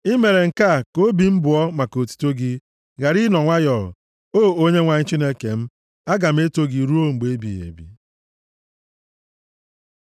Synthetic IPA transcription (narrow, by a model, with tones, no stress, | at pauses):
i˦me˨ɾe˨ŋ̩˨ka˦˨ko˦bi˨m̩˦bʊ˨ɔ˦ma˨ko˨tu̥˨to˦ɡi˦ | ɣa˨ɾi˦nɔ˨ŋʷa˦jɔ̰˨ | o˦˨o˦ɲe˦ŋʷa˨ɲ̩˦t͡ʃi˦ne˦ke˨m̩˦ | a˦ɡa˨m̩˦e˦to˦ɡi˨ɾu˦o˦ŋ͡m̩˨ɡ͡be˨e˦bḭ˨jḛ˨bḭ˨